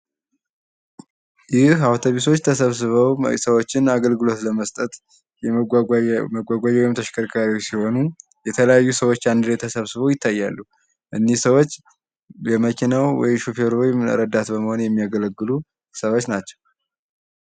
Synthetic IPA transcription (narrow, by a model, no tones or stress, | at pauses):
jɪawt̪ʰoβiso̞t͡ʃːt̪ʰəsəβsɨβəwsəwot͡ʃːɪnaɡəlɡɨlo̞t̪ləməst̪ʼət̪ | jɛ | əɡʷaɡʷad͡ʒɛwɔjɪmt̪ʰəʃkʰəɾkʰaɾiosiho̞nu | jɛt̪ʰələjajːusəwo̞t͡ʃːand̪ɨɾet̪ʰəsəβsɨβəwjɪt̪ʰːajːalːu | ʔɨnːihsəwo̞t͡ʃː | jɛməkʰinawwɔ̰jɪmʃupʰeɾowjm̰ɾəd̪at̪bəməho̞njɛmːijaɡələɡːɨlu | səwot͡ʃːnat͡ʃːɛ̥w